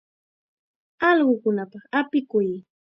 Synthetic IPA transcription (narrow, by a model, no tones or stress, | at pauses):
ɑlɢʊkʊnapɑχapɪkʊj